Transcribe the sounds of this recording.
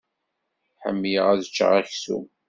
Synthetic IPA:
ħə̰mːjəʁæðət͡ʃːə̰ʁæçsṵm

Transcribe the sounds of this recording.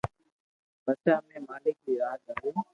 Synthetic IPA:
bət͡ʃaːmẽːmaːlɪk̚biːɾaːd͡ʒ̪aːɦeː

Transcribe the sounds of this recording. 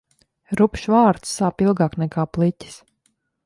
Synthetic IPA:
ɾupʃvaːɾt̪sːaːpilˠɡaːknɛkaːplˠitʲi̥s

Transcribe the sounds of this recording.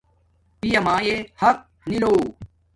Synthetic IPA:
pijɐmaːjehɐk̚ | niloː

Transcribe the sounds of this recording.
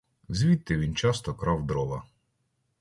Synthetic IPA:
zʲʋʲit̪ːɪʋʲint͡ʃɑst̪ɔkɾɑwd̪ɾɔʋɐ

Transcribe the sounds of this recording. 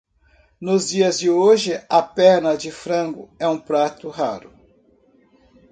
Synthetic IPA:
nʊzd͡ʒiɐzd͡ʒɪoʒɪɐpɛɾnɐd͡ʒɪfɾɐ̃ɡʊɛũpɾat̪ʊɦaɾʊ

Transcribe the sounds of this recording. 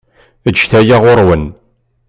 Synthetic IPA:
əd͡ʒːθæjaʁoɾˤwən

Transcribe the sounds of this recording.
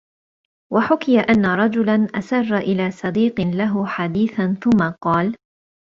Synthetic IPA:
waħʊkɪjaʔanːaɾˤɑd͡ʒʊlanʔasɑrˤːaʔɪlaːsˤɑd̪iːqɪnlaɦʊħad̪iːθanθʊmːaqɑːl

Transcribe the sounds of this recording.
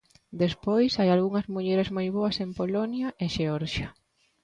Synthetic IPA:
d̪espojsajalɣuŋɐzmuʎeɾezmojβoɐsempolonjɐʔeʃeɔɾʃɐ

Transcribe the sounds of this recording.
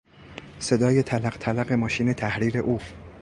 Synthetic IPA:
se̞d̪ɒːjet̪ʰælæɢ̥t̪ʰælæɣe̞mɒːʃiːne̞t̪ʰæhɾiːɾe̞̰ʔuː

